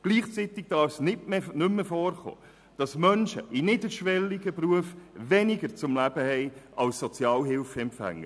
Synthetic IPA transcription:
ɡ̥liːχt͡sit̪ɪɡ̥̚d̥ɑːɾfsnɪtnʏmːəfɔːrχo̰ː | d̥ɑsmœnʃə̰ʔinɪdəʃʋɛlːiɡəpruəfvɛnɪɡəɾt͡sʊmlæb̥əhɛɪʔɑlsːɔt͡sjɑːlɦɪlfɛmpfæ̰ŋːə

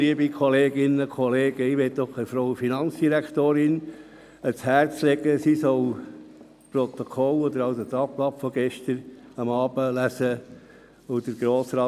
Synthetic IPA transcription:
iəbikʰɔleːɡɪnəkʰɔleːɡəɪʋɛtd̥̪ɔχəfɾowəfinɑnt͡sd̥iɾækʰt̪oːɾɪn | əshæːɾt͡slɛɡəsisɔl | pɾɔt̪okʰɔlɔd̪əɾɑʊsot̪ɑplɑpfɔɡ̥ɛʃtəɾɑmɑːb̥əlæsə | od̥̪əɾɡ̥ɾoːsɾɑː

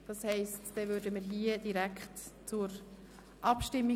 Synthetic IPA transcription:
d̥ɑshɛɪstd̥ɛvøːɾdəməɾɦiəd̥iɾækχtt͡sʊɾ | ʔɑpʃtɪmːi

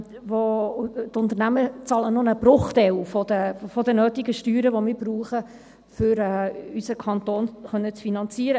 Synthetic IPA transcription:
ʋot̪ʊnt̪əɾnæmət͡sɑlənʊnəbrʊχtɛwfɔd̥̪əfɔdənøːtiɡəʃtyːɾəʋomɪːɾbɾuːχə | fʏɾɛːysəkʰɑnt̪oːnχœnːət͡sfinɑnt͡siəɾə

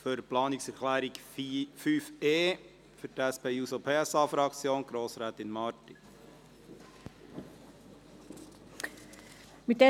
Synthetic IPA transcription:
føɾplɑːnɪksɛɾkʰlæːɾiɡ | fyːfeː | fʏɾtæspeːuːsopʰeːɛsɑːfɾɑkt͡sjoːnɡ̥ɾoːsɾɛːt̪ɪnmɑːɾtɪ | mɪt̚dɛ

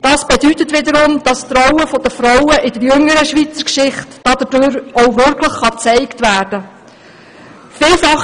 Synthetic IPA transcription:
d̥ɑsb̥ɛdytətʋɪdəɾʊmd̥ɑst̪ɾɔwəfɔd̥̪əfɾɔwəʔɪdəɾjɵŋəɾəʃʋit͡səkʃɪχtːɑd̥̪ədøɾɔʊʋʏɾkʰləχːɑt͡sɛɪktʋæːrd̥ə | fɪːlfɑχ

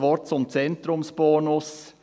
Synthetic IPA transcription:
ʋɔɾt̪sɔmt̪sɛnt̪ɾʊmspoːɳɔs

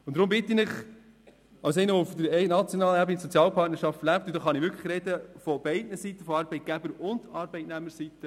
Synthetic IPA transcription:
ʊntd̥̪ɾʊmbɪtːinɪχ | ɑwsɛɪnəʊfd̪əɾnɑt͡sjonɑːləɛɾbənisɔt͡sjɑːlpʰɑɾtnəɾʃɑftlæp̚t̪ʊdɑːχɑnɪʋʏɾkʰləχɾɛdəfɔb̥ɛɪdnəsitːəfɔɑɾbɛɪt̚ɡ̥æbəɾʊnd̥ɑɾbɛɪtnæməɾsitə

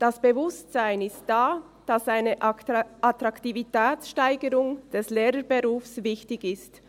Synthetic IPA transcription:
d̥asb̥əvʊstz̥aɪnɪstd̥aː | d̥asaɪnəʔatʁaktivitʰɛːt͡sʃtaɪɡəɾʊŋd̥ɛsleːɾəbeʁuːfsvɪçtɪçɪst

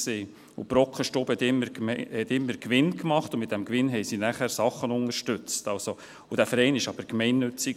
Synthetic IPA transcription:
se | ʊ̰pɾɔkχəʃtɔbhɛt̪ɪməhɛt̪ɪmːəɾkʋɪnkmɑχtʊmɪt̚d̥ɛmkʋɪnɦɛɪsinæχæɾsɑχːənʊŋəɾʃtʏt͡stɑlso | ʊd̥æfəɾɛɪnɪʃɑb̥əɾkmɛɪnːʏt͡sik

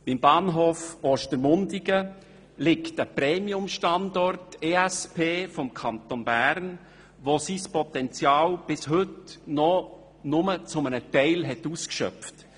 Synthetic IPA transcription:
b̥ɪmbɑːnɦoːfoːʃtəɾmʊndɪɡə | lɪktəpɾɛːmiʊmʃtɑndɔrteæspʰeːfɔmkʰɑntonbæːɾn | ʋosispɔtɛnt͡sjɑːlb̥ɪsɦɵtnɔ | nʊmət͡sʊmənətɛɪlɦɛtuːskʃœ̰ft

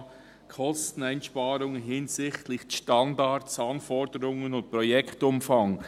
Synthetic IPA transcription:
kʰɔstn̩æɪnʃpɑːɾʊŋɦɪnsɪxtlɪçʃtɑndɑtsɑnfɔɾdəɾʊŋənʊnt̚pɾɔjɛkʰtʊmfɑŋ

